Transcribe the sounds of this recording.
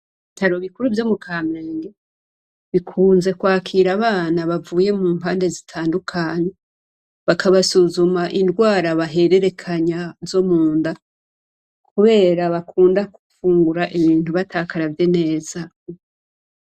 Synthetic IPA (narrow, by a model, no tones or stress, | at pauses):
itaɾoβikuɾuvjo̞mukʰaːme̞ːŋɡe | βikʰuːnze̞kwaːkʰiɾaβaːnaβavuːje̞muːmhaːnde̞zitʰaːndukʰaɲe̞ | βakaβasuzumaʔindɡwaːɾaβaɦe̞ɾe̞ɾe̞kʰaɲazo̞muːnda | kʰuβe̞ːɾaβakʰuːndakufuːŋɡuɾaʔiβiːntuβataːkaɾavjene̞ːz̥a